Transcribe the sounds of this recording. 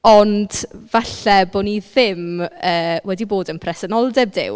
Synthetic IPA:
ɔnd̥vaɬɛboːniðɪməːwɛdiboːdənpʰrɛsənɔlˠdɛb̚dɪ̰w

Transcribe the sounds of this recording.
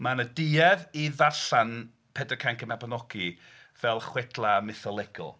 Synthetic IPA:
manədiːɛviðaɬan | pʰɛdəkʰaŋkəmabanɔɡ̥i | vɛlˠχwɛdlˠamɪθɔlˠɛɡ̥ʊ̰

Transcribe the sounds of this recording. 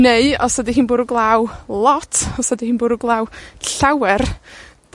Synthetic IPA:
neɨɔsɔdiɦɨːnboːɾuɡlˠawlˠɔtʰɔsɔdihiːnbʊːɾuɡlˠawɬawɛrd̥

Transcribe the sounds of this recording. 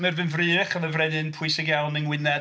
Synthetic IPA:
mɨrvɨnvrɨːəχənəvrɛdɨnpʰʊɨsɪɡjawnənwɪnɛ

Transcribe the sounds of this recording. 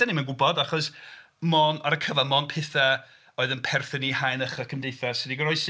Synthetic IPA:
animanɡʊbɔdaχɔs | mɔnaɾəkʰəvamɔnpʰɪθa | oːɨðənpʰɛrθənihajnəχəkʰəmdejθasɪdiɡəɾɔɨs

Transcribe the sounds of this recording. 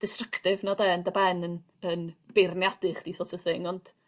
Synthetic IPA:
d̥ɪstrəktɪvnɔdɛːəndabɛnən | ənb̥ernjadɨχd̥iːsoːtʰəθɪŋɔnd̥

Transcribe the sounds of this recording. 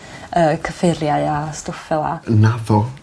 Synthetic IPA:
əːkʰəfɪɾjaɨastʊfɛlˠa̰navɔ

